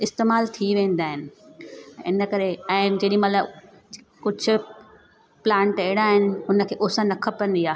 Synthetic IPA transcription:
ɪst̪eːmaːlt̪ʰiʋẽːnd̪aːɦɪnɪ̆ɛ̃ɪnə̆kɐɾeɛ̃ːd͡ʑeːɗĩmɐt̪ləb | kʊd͡ʑʱʊ̆ | plãːɳʈeɪɽaːɦɪnɪ̆ʊnə̆kʰeːʔʊːsə̃nɐkʰəpɐ̃nd̪iaːɦe

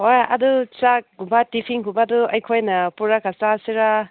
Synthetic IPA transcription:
ojɐ̰dut͡ʃak̚ɡubatipʰiŋɦubaduɐjkʰojnɐpuɾakʰasasiɾa

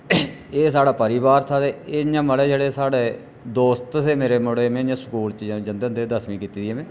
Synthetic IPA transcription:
eːsaːɽaːpəɾɪːβaːɾt̪ʰaːd̪eːeɲãːməlɛːd͡ʒeːɽeːsaːɽeː | d̪oːst̪seːmeːɾeːmʊɽeːmɛ̃ːɲãːsə̥kuːlt͡ʃiːd͡ʒãːd͡ʒənd̪end̪eːd̪əsmĩːkiːt̪iːd̪ijɛːmɛ̃ː

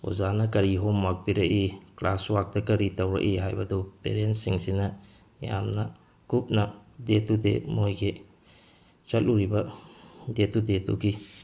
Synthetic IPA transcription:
o̰zanɐkɐɾiɦomːak̚piɾɐʔiklaswak̚tɐkɐɾitɐwɾɐ̰ʔiɦajbɐdupḛɾensiŋsinɐ | ja̰mnɐ | kup̚nɐdetudemojkʰe | t͡ʃɐlluɾibɐ | detudetṵɡi

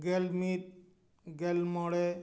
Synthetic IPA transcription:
ɡelmit̪̚ | ɡelmɔɽe

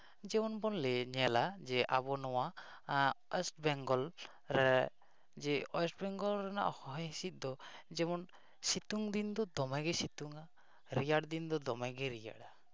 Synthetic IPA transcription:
d͡ʒɛmɔnbɔnlɛɲɛlad͡ʒɛʔa̰bɔnɔwa | ɛsʈbɛŋɡɔl | ɾɛ | d͡ʒɛɔɛsʈbɛŋɡɔlɾɛna̰ʔɔhɔɦɔjɦisit̪̚ˀd̪ɔd͡ʒɛmɔn | sit̪uŋd̪ind̪ɔd̪ɔmaɡɛsit̪uŋa | ɾijaɽd̪ind̪ɔd̪ɔmaɡɛɾija̰ɽa

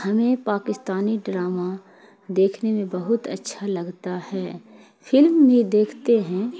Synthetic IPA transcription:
hɐmẽpaːkɪst̪aːniɖɾaːma | d̪eːkʰnemẽbɐɦʊt̪ɐ̰tːʃʰalɐɡt̪ahɛː | fʰɪlmbʱid̪eːkʰt̪eɦɛ̃ː

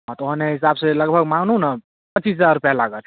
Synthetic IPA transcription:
ʌt̪oɦəneɦisabselʌɡbʱəɡmãŋnunʌ | pət͡ʃisd͡zaɾɾupjalaɡətʰ

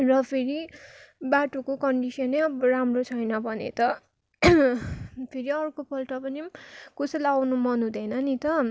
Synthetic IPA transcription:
rʌpʰeɾibaʈokokʌɳɖisʌneʌbɾamrot͡sʰʌjnʌbʱʌnḛt̪ʌ | pʰeɾiʌrkopʰʌlʈʌpʌnikusʌlawnumʌnɦũd̪enʌnit̪ʌ

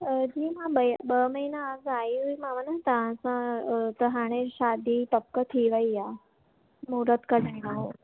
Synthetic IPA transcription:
əd͡ʑiːmãbəjbəməɦinaːsajuimãʋanət̪ãsãt̪əɦaɽ̃eɕad̪ʱiːt̪əp̚kət̪ʰiʋaija | muɾət̪kəɽəɳinaɦo

